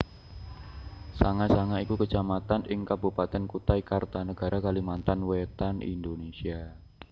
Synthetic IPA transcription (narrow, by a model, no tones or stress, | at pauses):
saŋasaŋaikukət͡ʃamat̪anɪŋkabupat̪ɛnkut̪aikart̪anəɡ̥a̤ɾakalimant̪anwet̪anḭnd̪onesia